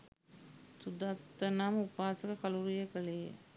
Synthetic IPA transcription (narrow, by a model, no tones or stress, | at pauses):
t̪ud̪ɐt̪ːɐnaːmupːaːsɐkɐkɐluɾijɐkɐɭijḛ